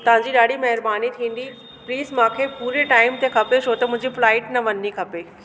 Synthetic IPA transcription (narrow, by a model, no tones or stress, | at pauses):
t̪ɐʋ̤ãːɲd͡ʑiɗaːɽimɐɦɪɾbaːnit̪ʰĩːn̆d̪i | pliːzmãːkʰepuːɾeʈaːɪmt̪ekʰɐpeʃʰoːt̪ɐmʊ̃ɦɪ̃ɲd͡ʑiflaːɪʈnɐʋɐnːikʰɐpeː